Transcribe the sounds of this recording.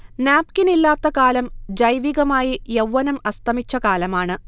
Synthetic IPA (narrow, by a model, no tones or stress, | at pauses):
naːp̚kinilːaːt̪ːɐkaːlɐmd͡ʑɐjʋiɣɐmaːjijewːɐnɐmɐst̪ʰɐmit͡ɕːɐkaːlɐmaːɳɨ